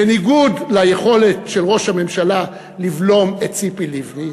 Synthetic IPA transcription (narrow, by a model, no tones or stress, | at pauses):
eniɡudlajeχo̞le̞tʃelʁo̞ʃhame̞mʃala | livlo̞mett͡sipilivni